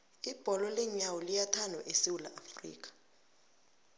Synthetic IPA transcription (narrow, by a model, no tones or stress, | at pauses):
ib̥ʱɔlɔlɛɲawɔlijatʰanɔʔesiwula̰ʔafrḭːk̬ʰʼḁ